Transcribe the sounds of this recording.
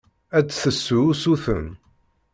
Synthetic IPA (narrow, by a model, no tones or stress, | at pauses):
æt͡sːθəsːusuθə̰n